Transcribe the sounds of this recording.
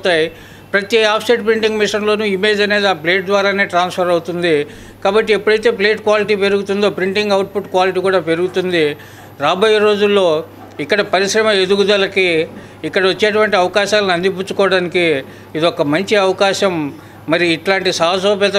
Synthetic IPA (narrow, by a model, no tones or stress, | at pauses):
t̪aːji | pɾɐt̪iaːpʰseʈpɾiɳʈiŋɡmiʂɐnlo̞ːnuːime̞ːd͡ʒɐne̞ːd̪iaːple̞ːʈ̚d̪ʋaːɾaːne̞ːʈɾaːnspʰɐɾɐwut̪und̪i | kaːbɐʈːiepːuɽɐjt̪eːple̞ːʈkʋaːliʈ̬iːpe̞ɾuɡut̪und̪oːpɾiɳʈiŋɡɐwʈ̚pʰuʈkʋaːliʈ̬iːkuːɽaːpe̞ɾuɡut̪und̪i | ɾaːboːjɐɾo̞ːd͡ʒulːo̞ː | ikːɐɽɐpɐɾiʃɾɐmɐe̞d̪uɡud̪ɐlɐkiː | kːɐɽɐʋɐt͡ʃːeːʈ̬uʋɐɳʈiɐʋɐkaːʃaːlɐnɐnd̪ip̬ut͡ʃːukɔːɽaːnikiː | d̪iɔkɐmɐɲt͡ʃiɐʋɐkaːʃɐmː | ɐɾiːʈlaːɳʈisɐːɦɐs̬oːpɛt̪ɐ